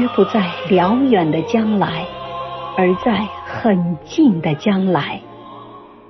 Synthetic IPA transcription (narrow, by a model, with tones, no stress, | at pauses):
ɛ˥pu˧˥t͡sa˥˩ɪljɑ˧˥ʊjɛ˨˩nd̪ə˦t͡ɕjɑ˥ŋla˧˥ɪə˞˧˥t͡sa˥˩ɪxə˨˩nt͡ɕi˥˩ŋd̪ə˩t͡ɕjɑ˥ŋla˧˥ɪ